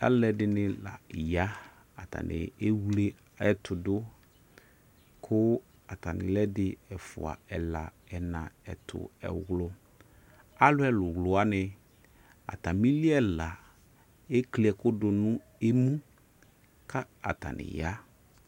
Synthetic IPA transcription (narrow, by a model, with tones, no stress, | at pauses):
a̰˦lɛ˨dɪ˨nɪ̃˨la̰˨ja˦ | a˨ta̰˨nɪ̰˨e˦wle˦ | ɛ˦tʰʊ˨dʊ˦ | kʰʊ˦ | a˨ta˨nɪ̰˨lɛ˦dɪ˨ɛ˨fʊ̰˨a̰˨ɛ˨la˨ | ɛ˨nã˨ɛ̰˨tʰʊ̰˨ɛ̰˨wlʊ˦ | a˦lʊ˦ɛ˨lʊ˨wlʊ˨a˦nɪ˨ | a̰˨ta˨mĩ˦li˦ɛ˦la˨ | e˦kli˨ɛ˨kʊ˦dʊ˨nʊ̃˦ | e˦mũ˦ | kʰa˦ | a̰˨ta̰˨nɪ̰˨ja˦